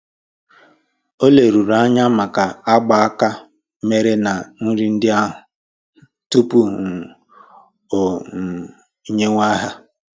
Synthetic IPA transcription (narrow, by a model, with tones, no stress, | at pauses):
o˦le˨ɾu˨ɾa˦ɲa˦ma˨ka˨a˦ɡ͡ba˨a˦ka˦ | me˦ɾe˦na˨n̩˦ɾi˦n̩˦dɪ˦a˦ɦʊ˨ | tu˦pu˦˨ | o˨ | i˦ɲe˦ŋʷa˦ɦa˦